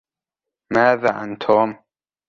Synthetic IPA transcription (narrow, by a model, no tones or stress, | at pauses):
maːðaːʔa̰nt̪ʰɔːm